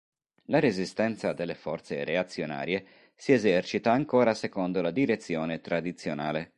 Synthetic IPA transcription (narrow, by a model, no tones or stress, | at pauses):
laɾezist̪ɛnt̪sad̪elːefɔrt̪sereat̪sːjona̰ːɾie | siezɛrt͡ʃit̪aːŋkoːɾasekond̪olad̪iɾet̪sːjɔːnet̪ɾad̪it̪sːjonaːle